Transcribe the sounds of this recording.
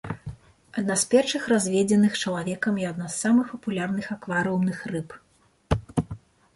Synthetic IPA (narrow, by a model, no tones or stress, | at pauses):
ɐd̪naspʲɛrʂɨxrazʲvʲɛd͡zʲɛnɨxt͡ʂɐlˠavʲɛkɐmjiad̪nasːamɨxpɐpulʲarnɨxakvaɾɨumnɨxrɨp